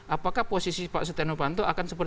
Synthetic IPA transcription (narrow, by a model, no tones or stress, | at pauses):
ʔapakahposisipaʔsət̪enopant̪oʔakansəpər